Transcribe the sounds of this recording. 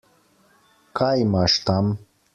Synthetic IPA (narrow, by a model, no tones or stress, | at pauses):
kaːjmaːʂt̪am